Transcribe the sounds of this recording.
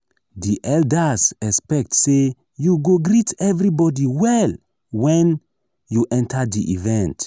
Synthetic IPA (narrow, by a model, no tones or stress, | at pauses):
diʔɛldasɛspɛk̚tse | juɡoɡɾitɛvɹibɔdiwɛl | wɛ̃n | juʔɛ̃ntʰadiʔivɛ̃nt